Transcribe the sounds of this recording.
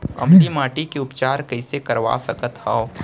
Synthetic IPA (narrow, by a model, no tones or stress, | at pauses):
ɐ̰mt̪imaːʈikeʊpt͡ʃaːɾkɐɪsekɐɾʋa̰sɐkət̪hao